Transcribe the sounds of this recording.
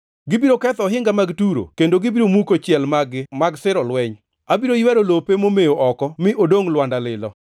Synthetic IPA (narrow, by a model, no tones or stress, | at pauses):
ɡɪbiɾokɛt̪ɔɦɪŋɡamaɡtuɾo̰kendoɡɪbiɾomukot͡ʃjɛlmaɡɪmaɡsɪɾɔlwɛɲ | abiɾojwɛɾolopemomejoʔɔkɔmɪʔodoŋlwandalɪlɔ